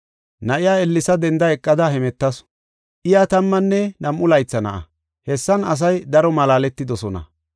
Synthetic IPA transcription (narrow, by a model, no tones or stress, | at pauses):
nɐʔɪjaːɛlːɪsɐd̪ɛnd̪ɐɛkʼːɐd̪ɐhɛmɛt̪ːɐs | ʔɪjat̪ɐmːɐnːɛnɐmʔʊlɐjt͡sːɐnɐ̰ʔɐ̰ | hɛsːɐnɐs̬ɐjd̪ɐɾɔmɐlaːlɛt̪ːɪd̪ɔsɔnɐ̰